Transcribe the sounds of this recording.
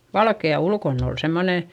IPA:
ʋɑlkeɑ ulkonː ol semːoneˑ

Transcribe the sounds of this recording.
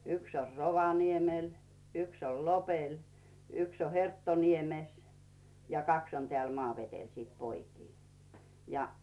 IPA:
yks or roʋɑniemel yks ol lopel yks o hertːoniemes jɑ kɑks on teæˑl mɑːʋetel siˑt poikiː jɑ

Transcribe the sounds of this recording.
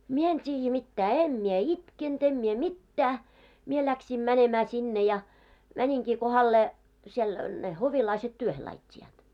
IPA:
mie en tʲiːjːæ mitːæː em mie itkent em mie mitːæː mie læksim mænemæː sinːe jɑ mænʲiŋkiː kohɑlːeː siel ne hoʋilɑiset tyøhe lɑitʲːiɑːt

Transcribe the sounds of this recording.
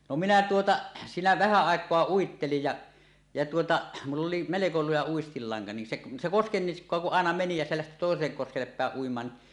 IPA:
no minæ tuotɑ siːnæ ʋæhæ ɑˑekˑoɑ uitːelij jɑ jɑ tuotɑ mulː oli meleko lujɑ uistilːɑŋkɑ nin seʔ se koskenːiskˑoɑ kuʔ ʔɑˑenɑ meni jɑ se læhti toˑeselːek koskelːep pæˑeʔ ʔuimˑɑːn ni

